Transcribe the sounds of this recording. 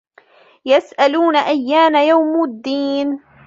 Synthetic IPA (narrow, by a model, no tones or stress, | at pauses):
jasʔaluːnaʔajːaːnajawmʊd̪ːiːn